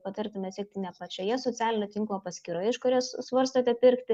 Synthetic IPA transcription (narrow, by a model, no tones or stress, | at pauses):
pɐt̪ɐɾʲt̪ʲɪmʲɛsʲiɛk̚t̪ʲɪnʲɛpɑt͡ʃʲɛjiɛsoːt͡sʲæːlʲɪnʲot̪ʲiŋklˠopɐsʲkʲiːɾoːjɪʃkoɾʲiɛssʋɐɾst̪oːt̪ʲɛpʲɪɾkt̪ʲɪ